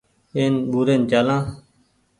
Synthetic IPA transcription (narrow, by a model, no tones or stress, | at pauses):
eːnɓuːɾeːnt͡ʃaːlãː